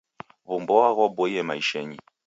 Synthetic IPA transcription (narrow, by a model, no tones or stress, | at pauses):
βumbɔaɣɔbɔjɛmaiʃɛɲi